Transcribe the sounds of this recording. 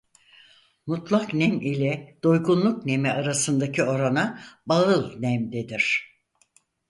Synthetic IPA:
mut̪ʰlˠaknɛmilʲɛd̪̥o̞jɡunlˠukne̞mɛaɾasɯnd̪acʰio̞ɾanabaɯlˠnɛmd̪ed̪iɾ̝̥

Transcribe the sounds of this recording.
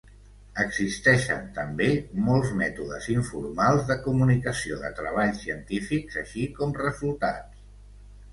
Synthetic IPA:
əɡzist̪ɛʃə̰nt̪əmbemɔlˠzmɛt̪uðəziɱfṵɾmalˠzðəkumunikəsioðə̰t̪ɾəβ̞aʎsiənt̪ifikzəʃikɔmrəzulˠt̪a̰t͡s

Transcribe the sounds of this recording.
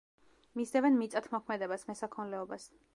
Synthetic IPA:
misɛvɛnmit̪sʼat̪ʰmɔkʰmɛd̪ɛbasmɛsakʰɔnlɛɔbas

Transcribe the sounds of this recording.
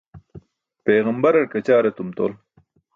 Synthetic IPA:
peːɣɐmbɐɾɐɾkɐt͡ɕaːɾɐt̪umt̪o̰ːl

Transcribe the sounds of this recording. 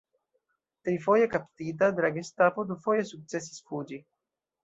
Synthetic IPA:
t̪ɾifojakapt̪iːt̪̬ad̪ɾaɡest̪apod̪ufojesuk̚t͡ses̬i̥sfud͡ʒi

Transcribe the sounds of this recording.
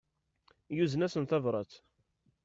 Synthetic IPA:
juzənæsənθævɾˤɑt͡s

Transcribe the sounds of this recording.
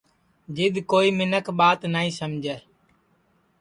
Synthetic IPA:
d͡ʒɪd̪koːiːmɪnəkɓaːt̪naːĩːsəmd͡ʒʱɛː

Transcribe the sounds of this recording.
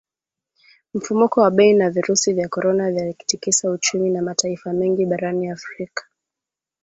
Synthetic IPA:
m̩fumukɔwaɓɛinaviɾusivjakɔɾɔnavjaliki̥tikisaut͡ʃuminamataifamɛŋɡiɓaɾaniafɾikḁ

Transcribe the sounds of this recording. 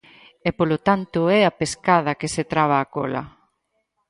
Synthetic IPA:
ɛpolot̪ant̪ʊɛapeskaðɐkeset̪ɾaβ̞aːkolɐ̰

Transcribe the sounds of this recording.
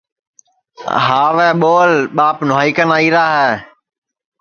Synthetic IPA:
ɦaːʋɛːɓoːlɓaːpnʊɦaːikənaːiːɾaːɦɛː

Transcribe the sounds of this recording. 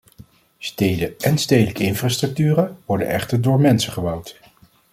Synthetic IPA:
stejdəɛnstejdələkəɪnfraːstrɵk̚tyːrəʋɔɹdə̰nɛ̰χtəɹdʊːɹmɛnsəχəbɑwt

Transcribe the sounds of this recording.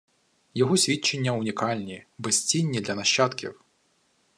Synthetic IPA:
jɔɣɔsʲvʲit͡ʃːenʲːɐʊnʲikalʲnʲibɪsʲt͡sʲinʲːid̪lʲɐnɐɕːat̪kʲḭw

